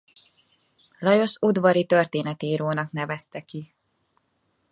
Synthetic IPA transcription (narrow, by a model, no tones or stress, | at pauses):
lɒjo̞ʃud̪vɒɾit̪ø̞rt̪eːnɛt̪eːɾoːnɒknɛvɛst̪ɛki